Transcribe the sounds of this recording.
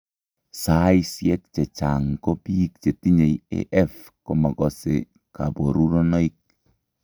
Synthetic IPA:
sa˦jsjɛ˦k̚t͡ʃe˨t͡ʃa˨ŋko˦pi˦k̚t͡ʃe˨ti˦ɲe˨jḛ˦ʔɛ˦f | ko˨mɔ˨kɔ˨sḛ˨ | ka̰˨bo˨ɾu˦ɾɔ˦nɔ˦i˦k̚

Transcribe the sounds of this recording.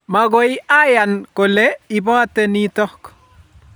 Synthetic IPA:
ma˨ɡo˦jia˦ja˨nko˨le˦i˨bɔ˦a˦te˦ni˦tɔ˦k

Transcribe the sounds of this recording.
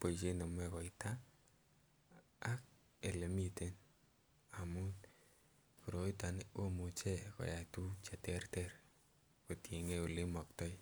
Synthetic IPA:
po˨it͡ʃe˦nɔ˨m˦ɛkɔ˨ita˦ | k̚ | e˨le˨mi˦te˦n | a˨mu˦ | ku˨ɾo˨˦i˦ta˨no˦mu˨t͡ʃe˦kɔ̰˨ja˨tu˦t͡ʃa˨tɛ˦rtɛɾ | ko˨tji˨ŋe˦u˨lɪ˦mɔ˨k̚tɔ˦j

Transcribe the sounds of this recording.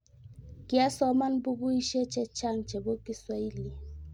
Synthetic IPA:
ki˦a˦sɔ˦ma˦nbu˦ɡu˦i˦ʃe˦t͡ʃɛ˦t͡ʃa˦˨ŋt͡ʃɛ˨bo˦ki˦swa˦i˦li˨

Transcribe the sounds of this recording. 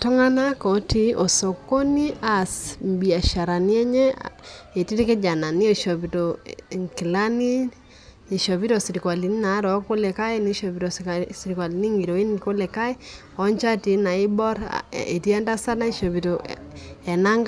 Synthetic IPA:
tɔ˦ŋa˦na˦kɔ˨ti˦ʔɔ˨so˨ko˦ni˦a˨smbi˨a˨ʃa˨ɾa˨ni˦ɛ˦ɲɛ˦e˨ti˦ɾi˦ke˦d͡ʒa˨na˨ni˦ɔ˨ʃɔ˨pi˨to˨ŋki˨la˦ni˦ | i˨ʃɔ˨pi˦to˦˨si˨ɾi˨kwa˨li˨ni˦na˨˦ɾɔ˨˦ko˦lɛ˨ka˦e˦ni˨˦ʃo˨bi˨to˨ssi˨ɾi˨kwa˨li˨ni˦ŋɡi˨ɾo˨i˦n˨ko˦lɛ˨ka˦i˦ | ɔ˦ɲt͡ʃa˦ti˨na˨i˦bɔ˦ɾ̰e˨ti˦ɛ˦nda˦sa˦na˦i˨ʃo˨bi˨to˨ɛ˨na˦ŋɡ

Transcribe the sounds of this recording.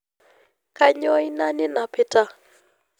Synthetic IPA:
ka˦ɲɔ˦i˦na˦nɪ˦na˨pɪ˦ta˦

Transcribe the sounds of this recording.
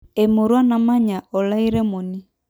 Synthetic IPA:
e˨mo˨ɾwa˦na˨ma˦ɲa˨ɔ˨la˦i˦ɾɛ˦mo˨ni˦

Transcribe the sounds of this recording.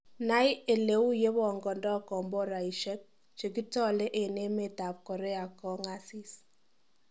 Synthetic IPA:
na˦je˨le˦u˦je˦βɔ˨ŋɡɔ˨ndɔ˦kɔ˨mbɔ˦ɾa˨i˨ʃɛ˦k̚ | t͡ʃe˨ki˦tɔ˦le˦ʔe˨ne˦me˨ta˨p̚kɔ˨ɾe˦a˨kɔ˦ŋa˦si˦s

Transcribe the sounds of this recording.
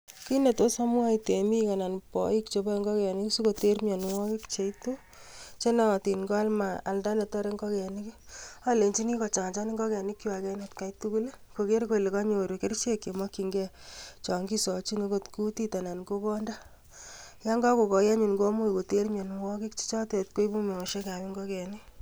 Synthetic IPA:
ki˦ne˨to˦sa˦mwa˦ite˨mi˦ka˨na˨npɔ̰˨ik̚t͡ʃe˧bɔ˦ŋɡɔ˦kɛ˨ni˦ksi˦ko˨te˦rmjɔ˨nwɔ˦kɪ˦kt͡ʃe˨jto | t͡ʃe˦na˨ti˨nɡo˦a˦lma˨a˨lda˦ne˨tɔ˦ɾe˦ŋɡɔ˦kɛ˨nikia˦le˨nt͡ʃi˦ni˦kɔ˨t͡ʃa˨ŋt͡ʃa˦ni˦ŋɡɔ˦kɛ˨nɪ˦kːi˦wa˨kɛ˦netka˨jtu˦ku˦l | ko˨ke˦ɾko˦˨li˨ka˦ɲo˨ɾu˨ke˦ɾt͡ʃe˦kje˨mɔ˦ki˨ŋɡɛ˦ | t͡ʃɔ˨ŋɡi˦sɔ˨t͡ʃi˦ne˦ko˦tku˦ti˦ta˨na˨nɡo˦kɔ˦nda˦ | ja˦ŋɡɔ˦ko˨kɔ˨ja˦ɲu˨nɡo˦mu˦i˨ko˨te˦rmjo˨nwɔ˦ki˦kt͡ʃi̥˦t͡ʃɔ˦te˨tko˦i˦bu˦me˨ɔ˨ʃe˦ka˨bi˦ŋɡɔ˦kɛ˨ni˦

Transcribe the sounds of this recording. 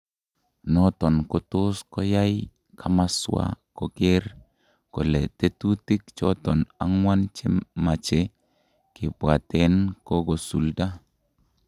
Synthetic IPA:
nɔ˦tɔ˨nko˦tʊ˦skɔ˦ja˦j | kʰa˨ma˦swa̰˦kɔ˨ke˦ɾ | kɔ˨lɛ˨te˦tu˦ti˦k̚t͡ʃɔ̰˦tɔ˨na̰˦ŋwa˦nt͡ʃe˦ma˨t͡ʃe˦ | kɪ˨bwa˨te˦nkɔ˦ɡo˨sṵ˨lda˦

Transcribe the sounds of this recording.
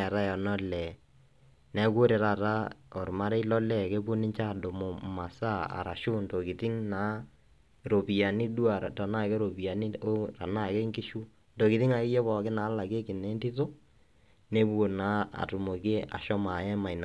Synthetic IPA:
a˨ɾa˦ja˨nɔ˦lɛ˨ | nɛ˨˦ko˦ɾe˨ɾa˨ɾa˦ɔ˨ɾma˦ɾɛ˦i˦lɔ˦lɛ˦˨ke˦pʊ˦nɪ˦ɲt͡ʃa˦˨do˨mo˨ma˨sa˦a̰˨ɾa˨ʃʊ˦nto˨kɪ˨tɪ˦ŋna˨˦ | ɾo˨pi˨ja˨ni˦du˦a˨ta˨na˦˨ke˦ɾo˨pi˨a˨ni˦ɾa˨na˦˨ke˦ŋki˦ʃu˦ | ndo˨kɪ˨tɪ˦ŋa˨kɪ˦jɛ˦βɔ˨kɪ˦naː˨˦la˨ke˦kɪ˨ne˨˦ntɪ˦to˦ | ne˦bu˦o˨na˨˦a̰˨tʊ˨mo˨ke˦a̰˨ʃɔ˦ma˨ɛ˦ma˨i˨na˨

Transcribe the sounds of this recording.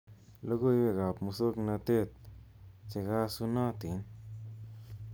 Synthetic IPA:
lo˦ɡo˦˧jbe˧˨ɣa˨pmu˧so˦kna˧t̪e˦˧t̪̚ | t͡ʃe˧ɣa˦su˧nã˦t̪i˨˦n

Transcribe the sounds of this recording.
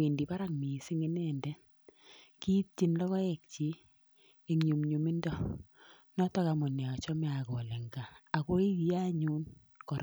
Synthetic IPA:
wi˨ndi˨pa˦ɾa˦ŋmi˨si˦ŋi˦nɛndɛ˦ | ki˦t̚t͡ʃi˦nlɔ˦ɣɔ˦ɛ˨k̚t͡ʃi˦ | e˨ŋɲu˨mɲu˨mi˦ndɔ˦ | nɔ˦tɔ˦ka˨mɔ˨ne˨ɔ˨t͡ʃɔ˦mɛ˦a˨kɔ˨lɛ˨ŋɡaː˨ko˦i˦ki˨ja˦ɲu˦n | kɔ˨ɾ

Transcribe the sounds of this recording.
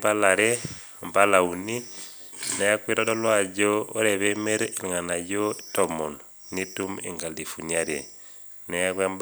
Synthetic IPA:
pa˦la˨ɾɛ | mba˦la˨u˨ni˦ | nɛ˨ja˦kwe˦ɾɔ˦dɔ˦lwa˨d͡ʒɔo˦ɾɛ˨βɛ˦mɛ˦ɾi˨li˨ŋa˨na˨jɔ˦tɔmɔ˨n | nitu˦mḛ˨ŋɡa˨li˨fu˨ɲa˦ɾɛ̰˨ | nɛ˨ja˦kwɛmb

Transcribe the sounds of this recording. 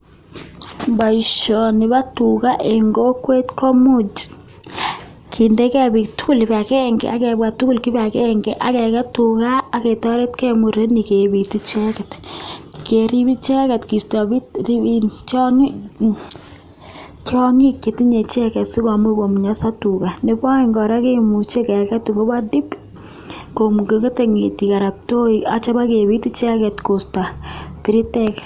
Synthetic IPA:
ba˨iʃɔ˨ni˨ba˦tu˨ka˦ʔe˨ŋɡo˦kwe˦tkʰɔ˦mu˦d͡ʒ | kʰi˨nde˦kɛ˦bi˨tu˦ku˦li˨ba˨kɛ˦ŋɡɛ̰˨a˦kɛ˨bwa˨tu˦ku˦lki˦ba˨kɛ˦ŋɡɛ˨ʔa˨kɛkɛ˦tu˨kaː˦kɛ˨tɔ˦ɾe˦tkɛ˦mu˨ɾe˦ni˨ke˨bi˨ti˦t͡ʃɛ˦kɛ˨tkeɾi˦bi˦t͡ʃɛ˦kɛ˨tki˨sta˨bi˦tɾi˦int͡ʃɔ˦ŋ | t͡ʃɔ˦ŋi˦kːe˨ti˦ɲe˨t͡ʃɛ˦kɛ˨tsi˦ka˨mu˦ko˨mu˨ɲa˦sa˦tuka˨ne˦pa˦i˦ŋɡɔ˨ɾa˦ke˦mu˨t͡ʃe˦kɛ˨kɛ˦tu˨ko˦ba˦di˦p | ko˨mu˨ɡe˨ŋɡe˦te˨ŋeti˨ka˨ɾa˨p̚to˦ia˦t͡ʃa˦ba˦ke˨bi˦ti˦t͡ʃɛ˦kɛ˨tko˨sta˨pi˨ɾi˦tɛk

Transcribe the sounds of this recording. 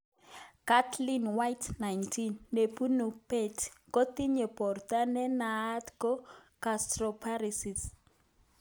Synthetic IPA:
ka˦tʰlinwa˦jtna˨jntʰinːe˨pu˦nu˨pe˦tʰko˦ti˦ɲɛ˨pɔ˨rta˦nɛ˦naː˦tko˦kastrɔ˨pʰa˦risi˨s

